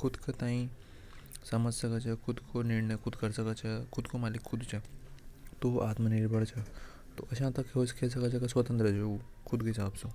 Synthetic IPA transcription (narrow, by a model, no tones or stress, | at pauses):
kʰʊd̪kɐt̪aːĩ | sɐməd͡ʒsɐkət͡ʃʰɛkʰʊd̪kʰoniɾɳəjkʊd̪kɐɾsɐkət͡ʃʰakʰʊd̪komaːlikʰːʊd̪t͡ʃʰa | t̪oʔaːt̪məniɾbɐɽt͡ʃʰɐ | t̪o̰ʔɐʃãt̪ɐkːɦoskes̬ɐkat͡ʃʰɐkɐsʋɐt̪ənt̪ɾəd͡ʒokʰʊd̪kisaːbsõ